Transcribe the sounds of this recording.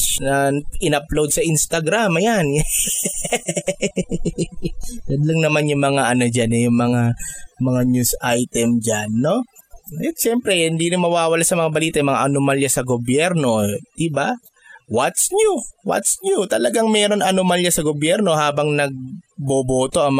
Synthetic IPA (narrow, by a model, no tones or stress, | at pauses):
nɐʔɪnɐplowd̪̚sɐʔinst̪ɐɡɾamɐjan | ɡɐnlɐŋnɐmanjʊŋmɐŋaʔɐnod͡ʒanɛjʊŋmɐŋamɐŋaɲjusajt̪ɛmd͡ʒanːo̞ | ɛt̪ʃɛmpɾɛhɪnd̪iːnɪmɐwaːwɐlasɐmɐŋabɐliːt̪ɐjʊmɐŋaʔɐnomaljasɐɡobjɛɾno̞d̪̥ɪba | wɐt̪sɲuwɐ̰t̪sɲut̪ɐlɐɡaŋmɛːɾo̞nɐnomaljasɐɡobjɛɾno̞haːbɐŋnɐɡ̚boboːt̪o̞ʔɐŋm